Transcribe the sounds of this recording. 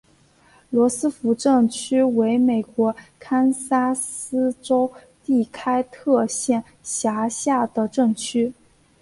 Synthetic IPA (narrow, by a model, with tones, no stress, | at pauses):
lwɔ˧˥sɹ̩˥fu˧˥ʈ͡ʂɤ˥˩ŋt͡ɕʰy˥we˧˥ɪme˨˩ɪkwɔ˧˥kʰa˥nsa˥sɹ̩˥ʈ͡ʂo˥ʊ | t̪i˥˩kʰa˥ɪt̪ʰɤ˥˧ɕjɛ˥˩n | ɕja˧˥ɕja˥˩d̪ə˩ʈ͡ʂɤ˥˩ŋt͡ɕʰy˥